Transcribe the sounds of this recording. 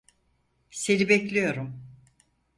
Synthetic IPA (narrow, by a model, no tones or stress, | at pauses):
senibeclʲijo̞ɾum